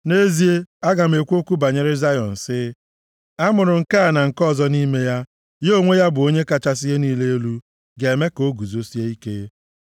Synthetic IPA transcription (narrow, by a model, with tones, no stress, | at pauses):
ne˦zi˦e˦a˦ɡa˨m̩˨˦e˨kʷo˦kʷu˦ba˨ɲe˦ɾɪ˦za˦jɔ˨n̩˨sɪ˦ | a˦mʊ˨ɾʊ˨ŋ̩˨ka˦a˨na˨ŋ̩˨kɔ˦˨zɔ˦ni˦me˦ja˦ | jo˦˨ŋʷe˦ja˦bʊ˨o˦ɲe˦ka˨t͡ʃa˦s̬ɪ˦ɦe˦niː˦le˦e˦lu˦ | ɡe˨me˦ko˦ɡu˨zo˦si˦e˦i˦ke˦